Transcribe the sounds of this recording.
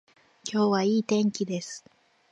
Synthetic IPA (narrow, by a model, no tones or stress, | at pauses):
kʲo̞ːβaiːt̪ẽ̞ŋkʲid̪e̞sɨ̥